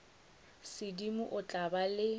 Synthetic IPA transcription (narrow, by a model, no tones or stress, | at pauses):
sɪdimʊʔʊt͡ɬʼabalɪ